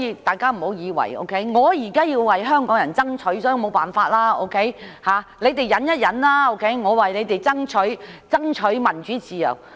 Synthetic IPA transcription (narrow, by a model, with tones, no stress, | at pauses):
jiː˧t̪aː˨˩jkaː˥m̩˨˩ho˨˥wjiː˨˧wɐ̰˨˩jo̰˧˥wkʰe˦˥jŋɔː˨˧jiː˨˩kaː˥jiː˧wːɐ˨jɦœː˥ŋkɔː˨˥ŋjɐ˨˩nt͡sɐ˥ŋt͡ʃʰɵ˨˥ɥsɔː˨˥ji˧mo˨˧wpaː˨˩nfaː˧t̚laː˥o̰˧wkʰe˨˥jhaː˨le˨˧jt̪e˨jːɐ˨˧˥njɐ˥t̚jɐ˨˥nlaː˥o˧˥wkʰe˨˥jŋɔː˨˧wɐ˨jle˨˧jt̪e˨˩jt͡sɐ˥ŋt͡ʃʰɵ˨˥ɥt͡sɐ˥ŋt͡ʃʰɵ˨˥ɥmɐ˨˩nt͡ʃyː˨˥t͡siː˨jɐ̰˨˩w